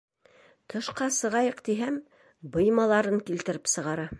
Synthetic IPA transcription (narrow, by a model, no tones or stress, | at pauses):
t̪ʰɤ̆ʃqɑsɤ̆ʁɑjɤqt̪iɦæm | bɤ̆jmɑlˠɑɾɤŋkilt̪ɘ̆ɾɘpsɤ̆ʁɑɾɑ